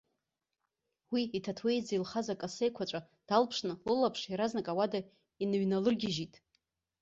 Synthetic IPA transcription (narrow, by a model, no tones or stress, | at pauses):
wiitʰatʰwejd͡zailχazakʼase̞jkʷʰat͡ʃʷʼa | d̥alpʰʂnɨlɨlapʰʂiɾaznakʼawada | inɥnalɨrɡʲɪʒitʼ